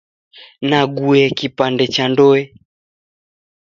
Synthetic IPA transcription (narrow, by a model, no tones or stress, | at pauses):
naɡuɛkipandɛt͡ʃandɔɛ